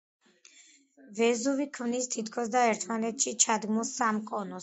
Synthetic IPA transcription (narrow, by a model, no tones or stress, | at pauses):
vɛzuvikʰmnist̪ʰit̪ʰkʰɔsd̪aɛɾt̪ʰmanɛt̪ʰʃit͡ʃʰad̪ɡmusamkʼɔnɔs